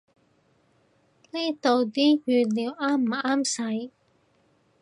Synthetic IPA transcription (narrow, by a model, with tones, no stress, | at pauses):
liː˥t̪o˨wt̪iː˥jyː˨˧tliː˨˧˥wʔaː˥m̩ː˨˩aː˥msɐ˨˥j